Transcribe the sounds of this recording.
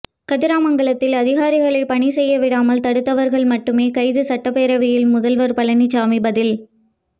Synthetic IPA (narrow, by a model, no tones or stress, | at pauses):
kɐðɪɾaːmɐŋɡɐɭɐt̪ːɪlɐðɪɣaːɾɪɣɐɭɐɪpɐɳisɛjːɐʋɪɽaːmɐlt̪ɐɽɯt̪ːɐʋɐɾɣɐɭmɐʈːɯmeːkɐɪðɯsɐʈːɐpːeːɾɐʋɪjɪlmʊðɐlʋɐɾpɐɭɐnit͡ʃaːmɪbɐðɪl